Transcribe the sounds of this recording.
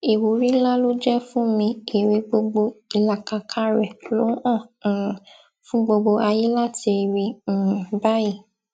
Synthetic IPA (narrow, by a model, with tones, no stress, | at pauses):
e˨wu˨˦ɾi˦la˦lo˦d͡ʒɛ˦fũ˦mĩ˧e˨ɾe˧ɡ͡bo˧ɡ͡bo˧i˨la˨ka˧kʰa˦ɾɛ˨lo˨˦ɔ̃˦˨ | fũ˦ɡ͡bo˧ɡ͡bo˧ʔa˧ji˦la˦ti˧˨ɾĩ˧˨ba˦ji˦˨